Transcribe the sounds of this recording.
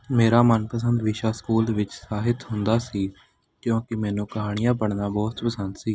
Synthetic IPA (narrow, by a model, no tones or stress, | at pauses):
meːɾaːmənpəs̬ənd̪ʋɪʃaːskuːld̪ʋɪt͡ʃsaːɦɪt̪ɦʊnd̪aːsiː | kjõːkɪmɛːnũːkəɦaːɽ̃ɪijãːpəɽnaːbɔːt̪pəsənd̪siː